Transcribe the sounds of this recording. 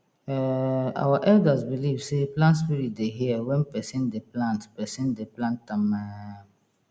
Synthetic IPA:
ɛa̰waʔɛldazbilivseplãnts̬piɾit̚deɦiɛwɛ̃npɛsɪ̃ndeplãntpɛsɪ̃ndeplãntːãmːa

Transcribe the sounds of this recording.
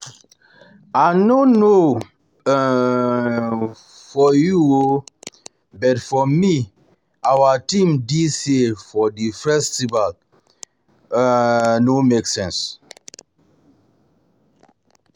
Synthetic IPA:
anono | fɔjuo | bɛtfɔmi | awatĩmdisefɔdifɛstival | nomeksɛ̃ns

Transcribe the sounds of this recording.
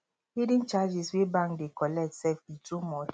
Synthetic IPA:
hidĩnt͡ʃad͡ʒiswɛbãŋkdekɔlɛk̚tsɛfitumɔ

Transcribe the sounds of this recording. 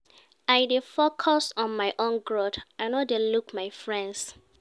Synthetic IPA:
aɪdefokʰɔsɔ̃nmaɪʔõnɡɹodãnɔdelukmaɪjfɹɛ̃nds

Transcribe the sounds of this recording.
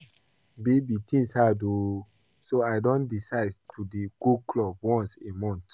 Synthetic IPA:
bebitʰĩŋshado | soaɪdɔ̃ndisaɪdtʰudeɡuklɔbwɔ̃nsemɔ̃nt

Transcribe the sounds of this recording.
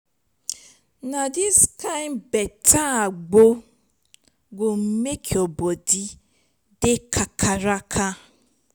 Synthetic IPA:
nadiskaɪ̃mbɛtaaɡ͡bo | ɡom̩mekʰeobɔdi | dekʰakʰaɾakʰa

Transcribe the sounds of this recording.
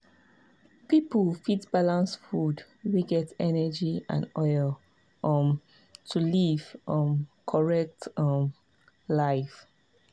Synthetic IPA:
pipəlfitbalãnsfud | wiɡɛtɛnɛəd͡ʒiã̰nɔɪl | ʔʌm | tʰuliv̥ʔɔ̃mkʰɔɹɛk̚tɔm | laɪf

